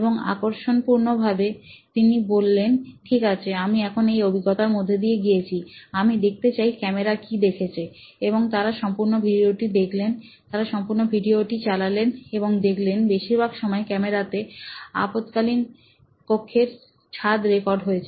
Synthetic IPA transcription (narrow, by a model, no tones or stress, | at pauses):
eboŋa̰koɾʃonpuɾnobʱabet̪inibolːenʈʰikat͡ɕʰeamiɛkʰonejobʱiɡɔt̪aɾmod̪ʱːed̪ieɡijet͡ɕʰiamid̪ek̚ʰt̪et͡ɕajkɛmeɾakid̪ekʰet͡ɕʰe | eboŋt̪aɾaʃɔmpuɾnobʱiɖioʈid̪ekʰlen | t̪aɾaʃɔmpuɾnobʱiɖioʈit͡ɕalaleneboŋd̪ekʰlenbeʃiɾbʱaɡʃɔmɔekɛmeɾat̪ea̰pot̪kalin | pokʰːeɾ | t͡ɕʰad̪ɾekɔɾɖɦoet͡ɕʰe